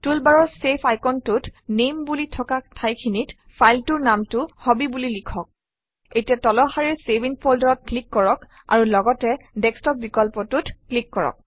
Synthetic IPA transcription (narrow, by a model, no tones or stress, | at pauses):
tulbaɹɔɹsepʰajkɔntʊtnembulitʰɔkatʰajkʰinit | pʰajltuɹnamtʊhɔbibulilikʰɔk̚ | etijatɔlɔxaɹiɹsebʱinpʰoldɔɹɔt̚klikːɔɹɔk | a̰ɹulɔɡɔtɛdɛkstɔp̚bikɔlpɔtutklikːɔɹɔ̰k̚